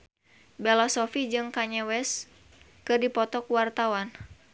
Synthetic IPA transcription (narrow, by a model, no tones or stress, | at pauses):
bɛlɔsɔfid͡ʒɨŋkaɲɛwɛs | kɨrdipɔt̪ɔkuwart̪awan